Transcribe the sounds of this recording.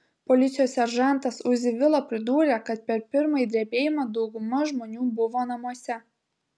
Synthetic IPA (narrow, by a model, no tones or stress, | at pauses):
pɔlʲɪt̪sʲɪjoːsʲɛɾʒɑˑnˑt̪ɐsʊʒzʲɪʋʲɪlˠɐpʲɾʲɪd̪uːɾʲeːkɐt̪̚pʲɛɾpʲɪɾmɐid̪ʲɾʲiɛbʲeːjɪmɑd̪ɒʊɡʊmɐʒmoːnʲuːbʊʋoːnɐmuɔsʲɛ